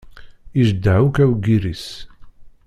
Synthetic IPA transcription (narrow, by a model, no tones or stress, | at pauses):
iʒd̪æwkæwɡiɾis